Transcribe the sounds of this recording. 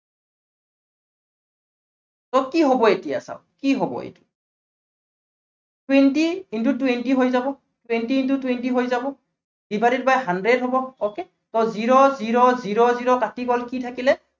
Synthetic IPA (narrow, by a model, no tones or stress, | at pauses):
tɔkiɦobɔetija̰sa̰ʊkiɦobɔ̰ḛtu̥ | twentiintutwentiɦojzabɔ | twentiːntutwentiɦojzabɔ | d̥ibʱaɾitbajɦandɹedɦobɔoke | tɔziɹɔziɹɔziɹɔziɹɔkatiɡɔlkitʰakilɛ